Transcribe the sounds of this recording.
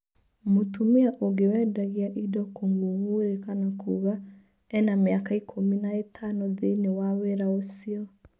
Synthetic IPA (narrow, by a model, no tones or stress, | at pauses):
motumiaʔoɡewɛdaɣiaʔidɔkoŋɡuŋɡueɾekanakuɣa | ɛnamjakaikʰominaetʰanɔðinewaweɾaosiɔ